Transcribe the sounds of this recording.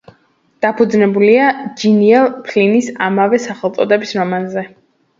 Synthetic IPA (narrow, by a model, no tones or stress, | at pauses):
d̪̥apʰud̪znɛbuliad͡ʒiniɛlˠpʰlinisamavɛsaχɛlˠt̪sʼɔd̪ɛbisɾɔmanzɛ